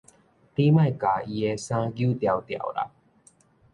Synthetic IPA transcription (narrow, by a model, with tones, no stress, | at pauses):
pi˦ma˧jka˨i˨e˧sã˧ɡju˦t̪i˨a˨wt̪ia̰˨wɾa̰˨